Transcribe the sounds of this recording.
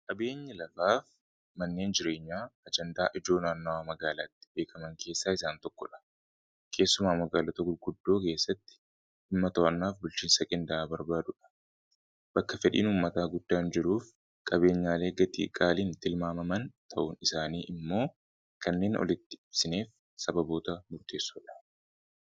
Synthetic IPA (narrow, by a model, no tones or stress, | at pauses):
kʼɐbe̞ːɲːɐlɐfaːf | mɐnːe̞ːnd͡ʒɪɾe̞ːɲːaːɐd͡ʒɛnd̪aːʔɪd͡ʒo̞ːnaːnːɐwaːmɐɡaːlaːt̪ːɪ̥be̞ːkʰɐmɐŋkʰe̞ːsːaːɪsaːnt̪ɔkːɔᶑɐ̥ | kʰe̞ːsːʊmaːmɐɡaːlɔt̪ɐɡʊlɡʊd̪ːo̞ːke̞ːsːɐt̪ːɪ̥ | hɪmːɐt̪ɐʔɐnːaːfbʊlt͡ʃiːnsɐkʼɪnd̪ɐʔaːbɐɾbaːd̪ʊᶑɐ̥ | b̥ɐkːɐfɛᶑḭːnuːmːɐt̪aːɡʊd̪ːaːnd͡ʒɪɾuːf | kʼɐbe̞ːɲːaːle̞ːɡɐt̪ḭːkʼaːliːnt̪ɪlmaːmɐmɐnt̪ʰɐʔuːnɪsaːniːʔɪmːo̞ː | kɐnːe̞ːnʔɔ̰lɪt̪ːɪɪb̥sɪne̞ːf | sɐbɐbo̞ːt̪ɐmʊɾt̪ʰe̞ːsːuːᶑɐ̥